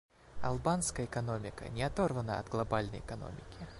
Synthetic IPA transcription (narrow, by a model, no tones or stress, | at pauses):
ɐ̰lˠbanskəjəɛkɐno̞mʲɪkə̰nʲɪɐt̪orvənəɐ̰t̪ɡlˠɐbalʲnə̰jɛkɐno̰mʲɪkʲɪ